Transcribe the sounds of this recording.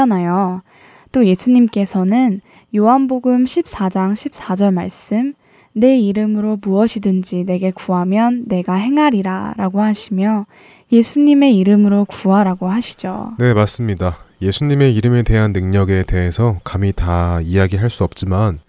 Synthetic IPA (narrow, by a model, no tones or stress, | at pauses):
anajo | t͈oje̞sʰuɲimk͈e̞sʰʌnɯn | joɦanboɡɯmɕʰip̚s͈ad͡ʑaŋɕʰip̚s͈ad͡ʑʌɭmaɭs͈ɯm | ne̞iɾɯmɯɾomuʌɕʰidɯnd͡ʑine̞ɡe̞kuɦamjʌnːe̞ɡaɦe̞ŋɦaɾiɾa̰ɾaɡohaɕʰimjʌ | je̞sʰuɲime̞iɾɯmɯɾokuɦaɾaɡoɦaɕʰi̥d͡ʑo̰ne̞mas͈ɯmɲidaje̞sʰuɲime̞iɾɯme̞de̞ɦanːɯŋɲʌɡe̞te̞ɦesʰʌkamitaijaɡiɦaɭs͈uʌp̚t͡ɕ͈iman